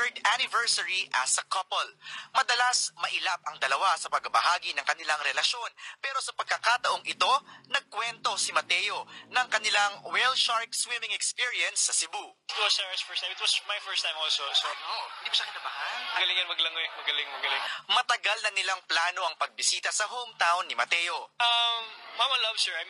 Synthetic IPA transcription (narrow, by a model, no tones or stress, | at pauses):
ɛɹd̪anɪvɛɹsɐɹiʔɐsɐkɐpɐlmɐd̪ɐlasmɐʔɪlap̚ʔɐŋd̪ɐlɐwasɐpɐɡ̚ɐbɐ̰ɦaːɡinɐŋkɐnɪlaŋɾɛlɐʃjo̞npɛːɾo̞sɐpɐɡ̚kɐkaːt̪ɐʔo̞ŋʔɪt̪o̞nɐɡ̚kwɛnt̪o̞sɪmɐt̪ɛjo̞nɐŋkɐnɪlaŋwɛlʃaɹk̚swɪmɪŋɛkspiɹiɛnsːɐsɪbuʔɪt̪̚wɐsɛɐsfɛɹst̪ajmɪt̪wɐsmɐjfɛɹst̪ãjmʔolsolsood̪ibʊʃɐkɪnabaːhɐlmɐɡɐlɪŋɐnmɐɡlɐŋoɛmɐɡɐlɪŋmɐɡɐlɪŋmɐt̪ɐɡalnɐnɪlaŋplaːno̞ʔɐŋpɐɡ̚bɪsiːt̪ɐsɐɦoʔŋt̪aːʔoŋnɪmɐt̪ɛjo̞ʔɐmːamɐlɐbsɛɹʔam